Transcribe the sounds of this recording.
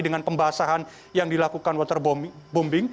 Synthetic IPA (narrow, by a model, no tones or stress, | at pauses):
dəŋanpəmbaɦasaɦan | jaŋdilakukanwɔt̪ərbbombɪŋ